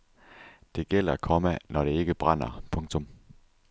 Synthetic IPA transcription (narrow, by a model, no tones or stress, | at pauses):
d̥e̝ɡ̥el̰ɐkʰɒ̽mænʔɒɾ̥e̝e̝ɡ̥əb̥ʁɑn̰ɐpʰɔ̽ŋt͡sʰɔ̽m